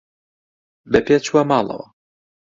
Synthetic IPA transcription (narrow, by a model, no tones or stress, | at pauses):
bɛpʰet͡ʃwamɑːlˠɐ̰wɐ